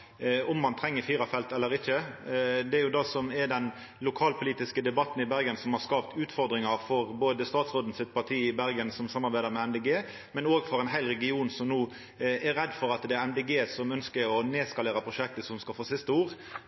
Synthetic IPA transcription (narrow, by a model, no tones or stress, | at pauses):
ɔmːɑnt̪ʰɾɛŋːəɾfiːɾɑfɛlt̪ɛlːəɾɪçːəd̪ɛæɾjʊd̪ɑsɔmɛɾɖ̪ɛn | lʊkʰɑːlpʰʊliːt̪ɪskəd̪ɛbɑt̪ːn̩ɪbæɾɡənsɔmhɑɾskɑːpt̪ʉːt̪fɔɾd̪ɾɪŋɑɾfɔʁboːd̪əst̪ɑːt̪sʁoːd̪n̩sɪt̪̚pʰɑʈ̪ʰiːɪbæɾɡənsɔmsɑmːɑɾbæɪd̪əɾmɛɛnd̪ɛɡeː | mɛnoːɡfɔɾɛnɦæɪlɾɛɡɪuːnsɔmnuː | ʔɛɾɛd̪fɔɾɑt̪d̪ɛæɾɛmd̪eɡeːsɔmœnskəɔneːskɑleːɾəpʰɾʊʃɛk̚t̪əsɔmskɑlfoːsɪst̪əuːʁ